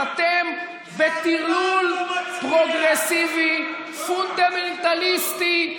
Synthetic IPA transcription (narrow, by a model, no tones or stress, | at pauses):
at̪em | bet̪ilulpʁoɡʁesivi | fund̪ament̪alist̪i